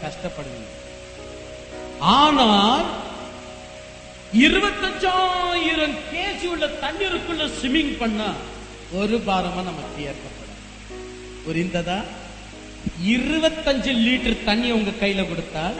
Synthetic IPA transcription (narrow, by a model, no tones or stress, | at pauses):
kɐʂʈɐpːɐɽɯʋḭːɳɡɐ | aːnaːl | ɪɾɯʋɐt̪ːɐɲd͡ʒajɪɾɐmkeːd͡ʒijɯɭːɐt̪ɐɳːɪɾɯkːɯɭːɐsɪmɪŋɡpɐɳːa | ɔɾɯbaːɾɐmaːnɐmɐkːɪjeɾkɐpːɐɽo̰ː | kɔɾɪnd̪ɐðaː | ɪɾɯʋɐt̪ːɐɲd͡ʒɯliːʈːɐɾt̪ɐɳːɪɐʊŋɡɐkɐjːɪlɐkɔɽɯt̪ːaːl